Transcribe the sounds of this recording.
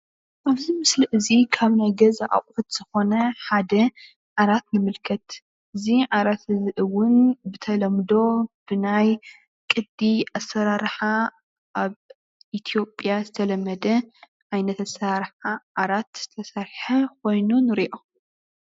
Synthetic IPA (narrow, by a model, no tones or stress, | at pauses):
ʔaβzimɨsliʔɨzikʰaβnajɡɐzaʔa̰χʼfɨt̪z̥ɨxo̞nɐħad̪ɐ | ʕaɾat̪nɨmɨlkʰɐt̪ | ʔɨziʕaɾat̪ɨzɨʔɨwʊnbɨt̪ʰɐlɐmd̪o̞b̥ɨnaj | kʼɨd̪ːiasɐɾaɾħa | ʔaβ | ʔit̪ʰijo̞pʼjazɨt̪ʰɐlɐmːɐd̪ɐ | ʔajnɐt̪asɾaɾħaʕaɾat̪z̥ɨt̪ʰɐsaɾħɐkʰo̞jnunɨɾiʔo